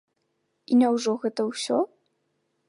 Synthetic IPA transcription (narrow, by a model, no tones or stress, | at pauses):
inʲɐwʐɔɣɛt̪ɐwsʲɔ